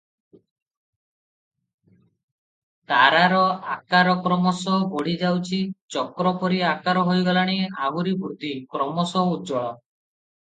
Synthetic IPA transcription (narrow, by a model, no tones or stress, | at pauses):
t̪aɾaɾɔakaɾɔkɾɔmɔsɔbɔɽ̤id͡ʒawt͡ʃʰit͡ʃɔkɾɔpɔɾiakaɾɔɦojɡɔlaɽ̃iaɦuɾibɾud̪ikɾɔmɔsɔudd͡ʒɔɭɔ